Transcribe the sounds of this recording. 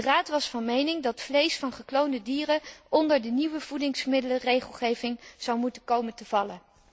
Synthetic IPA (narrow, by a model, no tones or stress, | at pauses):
əraːtʋɑsfɑnmejnɪŋdɑtflejsfɑnχəklowndədiːrəɔndəɹdəniʋəv̥udɪŋsmɪdələrejχəlˠχejvɪŋz̥ɑwmutənkowməntəvɑlən